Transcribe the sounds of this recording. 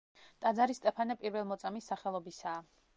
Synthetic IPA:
t̪ʼad̪zaɾist̪ʼɛpʰanɛpʼiɾvɛlˠmɔt̪sʼamisːaχɛlˠɔbisaː

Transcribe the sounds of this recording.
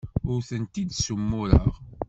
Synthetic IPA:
ʊɾθənt̪id̪sumːʊɾə̰ʁ

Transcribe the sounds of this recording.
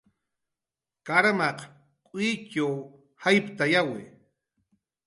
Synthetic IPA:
kaɾmaq | kʼit͡ʃa | hajpt̪ajawɪ̰

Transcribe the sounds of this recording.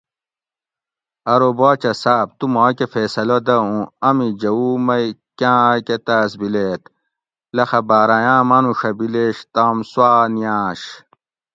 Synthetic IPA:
ɐɾobaːt͡ɕɐsaːb̚t̪umãːkefeːsɐlod̪ɐũɐmid͡ʑɐumɐikãːket̪aːsbileːt̪ | lɐxɐbaːɾajãːmɐnuʂɐbileɕt̪aːmswaːnijaːɕ

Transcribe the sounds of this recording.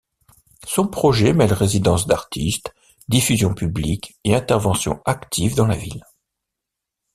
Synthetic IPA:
sɔ̃pχɔʒɛmɛlʁezid̪ɑ̃sd̪aʁt̪ʰist̪ | d̪ifyzjɔ̃pyblikeɛ̃t̪ɛʁvɑ̃sjɔ̰̃akt̪ʰivd̪ɑ̃la̰vḭl

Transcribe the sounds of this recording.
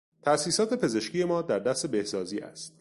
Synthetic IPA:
t̪ʰæʔsiːsɒːt̪ʰe̞pʰe̞ze̞ʃcʰiːje̞mɒːd̪æɾd̪æst̪e̞be̞hsɒːziːʔæ̰st̪

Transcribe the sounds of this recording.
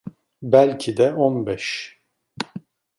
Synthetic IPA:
bælʲcʰid̪ɛonbɛʃ

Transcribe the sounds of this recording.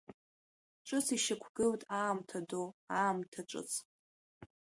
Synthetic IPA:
ʈ͡ʂʷʼɨt͡sʰiʃakʷʰɡɨltʼaːmtʰadoaːmtʰaʈ͡ʂʷʼɨ̰t͡sʰ

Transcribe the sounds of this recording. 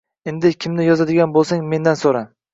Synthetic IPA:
end̪ɪkʲʰɪmnɪjɒzad̪ɪɡʲanbolˠsaŋme̞nd̪ansoɾan

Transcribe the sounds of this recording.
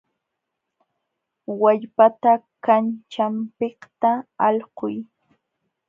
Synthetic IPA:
waʎpat̪a | kant͡ʃampekt̪aɑlqʊj

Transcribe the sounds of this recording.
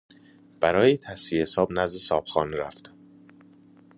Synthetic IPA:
b̥æɾɒːjet̪ʰæsviesɒːbnæzd̪esɒːpxɒːneɾæft̪

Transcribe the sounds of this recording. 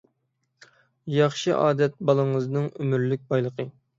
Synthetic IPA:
jɑχʃɨʔɑːd̪ɛt̪̚bɑlˠəŋəznɨŋymyɾlyk̚ʲbɑjlˠəqʰə

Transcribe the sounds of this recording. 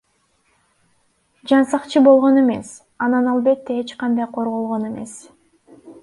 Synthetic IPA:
d͡ʒɑnsɑqt͡ʃʰɯbo̞lˠʁo̞ne̞me̞̰s | ɑnɑnɑlˠbe̞t̪ːe̞et͡ʃqɑnd̪ɑjqʰo̞ɾʁo̞lˠʁo̞ne̞me̞̰s

